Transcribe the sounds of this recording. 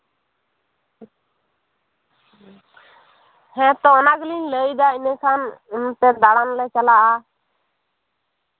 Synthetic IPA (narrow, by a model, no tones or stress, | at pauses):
hɛ̃t̪ɔɔnaɡlinləjd̪ainɛ̃kʰanunt̪ɛd̪aɽanlɛt͡ʃalaʔa